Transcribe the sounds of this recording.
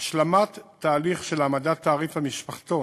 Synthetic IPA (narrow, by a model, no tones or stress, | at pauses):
ʃlamat̪ː | aːliχʃelamad̪at̪ːaːʁifamiʃpaχt̪o